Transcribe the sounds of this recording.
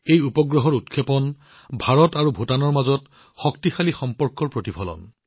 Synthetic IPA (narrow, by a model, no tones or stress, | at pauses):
ejupɔɡɹɔɦɔɹut̚kʰːepɔn | bʱaɹɔtaɹubʱotanɔɹmazɔt | xɔktixalixɔmpɔɹkɔɹpɹotipʰɔlɔ̰n